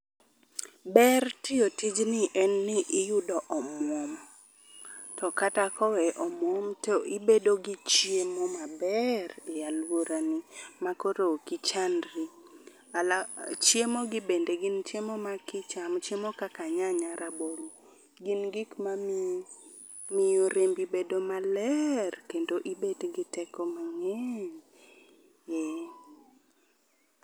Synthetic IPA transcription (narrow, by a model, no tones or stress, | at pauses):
bɛrtɪotid͡ʒnɪʔɛnːɪʔɪjʊdɔʔɔmwɔm | tɔkatakɔwɛʔɔmɔmtɔʔɪbedoɡit͡ʃjemomabɛrɪjalwoɾanimakoɾokɪt͡ʃanɾi | alat͡ʃjemoɡɪbendeɡɪnt͡ʃemomakɪt͡ʃamt͡ʃjemokakaɲaɲaɾabɔl | ɡɪnɡɪkmam | mɪjoɾembibedomalɛrkendoʔibedɡɪtɛkɔmaŋɛɲ | jɛ